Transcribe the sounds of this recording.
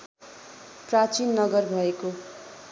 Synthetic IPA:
prat͡sinːʌɡʌrbʱʌeko

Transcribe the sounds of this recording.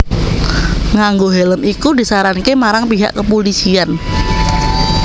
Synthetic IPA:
ŋaŋɡoɦɛləmikudi̤saɾankemaɾaŋpiɦa̰ʔkəpolisian

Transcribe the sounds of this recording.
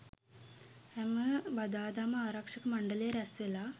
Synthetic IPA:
hɛməbad̪aːd̪aːməaːɾɐkʂɐkəmaɳɖəlejːɾæsʋelaː

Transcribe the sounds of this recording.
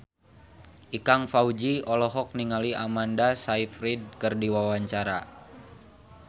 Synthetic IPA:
ʔikaŋfaud͡ʒiɔlɔɦɔk̚niŋaliʔamandasaifɾid̚kɨrdiwawaɲt͡ʃaɾa

